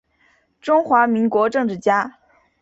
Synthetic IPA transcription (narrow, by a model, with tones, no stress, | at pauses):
ʈ͡ʂʊ˥ŋxwa˧˥mi˧˥ŋkwɔ˧˥ʈ͡ʂɤ˥˧ŋʈ͡ʂɻ̩˥˩t͡ɕja˥